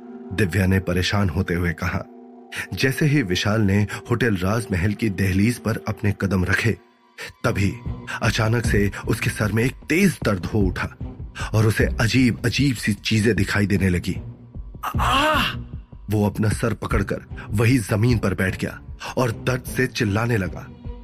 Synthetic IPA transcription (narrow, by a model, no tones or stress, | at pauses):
d̪ɪʋjanepɐɾeːʃaːnɦoːt̪eɦʊekɐɦa̰ː | d͡ʒɛːseɦiʋɪʃaːlnehoːʈɛlɾaːzmɛɦɛlkid̪ɛːɦliːzpɐɾɐpnekɐd̪əmɾɐkʰe | t̪ɐbʱiɐt͡ʃaːnəkseʊskesɐɾmẽeːk̚t̪eːzd̪ɐɾd̪ɦoʊʈʰaːɔːɾʊseʔɐd͡ʒiːbɐd͡ʒiːbsit͡ʃiːzẽd̪ɪkʰaːid̪eːnelɐɡiː | aː | ʋoɐpnasɐɾpɐkəɽkɐ̰ɾʋɐɦizɐmiːnpɐɾbɛːʈʰɡɐja̰ːɔːɾd̪ɐɾd̪set͡ʃɪlːaːnelɐɡa̰ː